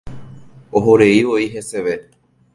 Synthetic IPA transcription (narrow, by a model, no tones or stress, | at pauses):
oɦoɾeiʋoiɦeseʋe